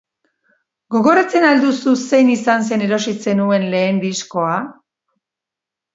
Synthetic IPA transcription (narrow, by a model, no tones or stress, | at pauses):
ɡo̞ɣo̞ɾat͡se̞nald̪ususe̞jnisans̬e̞ne̞ɾo̞sit͡se̞nue̞nle̞ːnd̪isko̞a